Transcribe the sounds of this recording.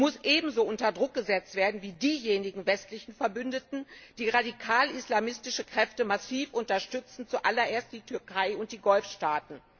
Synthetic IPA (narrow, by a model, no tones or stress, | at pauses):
mʊsʔeːbm̩zoːʔʊntɐdʁʊk̚ɡ̥əzɛt͡stv̥eːɐdn̩viːdiːjeːnɪɡŋ̩vɛstlɪçn̩fɛɐbʏndətn̩d̥iːʁadikʰaːlɪslamɪstɪʃəkʁ̥ɛftəmasiːfʔʊntɐʃtʏt͡sn̩t͡suʔalɐʔeːɐst̚d̥iːtʰʏɐkʰaɪʊnt̚d̥iːɡɔlfʃtaːtn̩